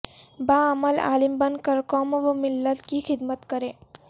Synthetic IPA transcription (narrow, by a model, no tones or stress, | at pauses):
baːɐməla̰ːlɪmbɐnkəɾkɔːmʋomɪlːət̪kixɪd̪mət̪kɐɾẽː